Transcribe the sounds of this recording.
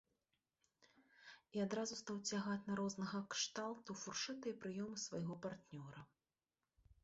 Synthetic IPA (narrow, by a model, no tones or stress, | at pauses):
iad̪ɾazust̪awt͡sʲaɣat͡s̪ʲnaɾɔznɐɣɐkʂt̪alˠt̪ufurʂɨt̪ɨjɐpɾɨjɔmɨsvajɣɔpart̪nʲɔɾɐ